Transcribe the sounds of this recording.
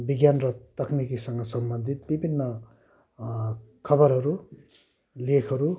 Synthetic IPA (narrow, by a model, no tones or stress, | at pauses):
biɡjanɾʌt̪ʌknikisʌŋɡɐsʌmbʌnd̪ʱit̪̚bibʱinːʌ | kʰʌbʌɾɦɐɾu | lekʰɐɾu